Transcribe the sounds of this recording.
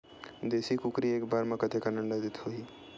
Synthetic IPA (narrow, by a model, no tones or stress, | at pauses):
d̪esikukɾiekbaɾmẽkət̪ekanəɳɖad̪it̪ʰɦoi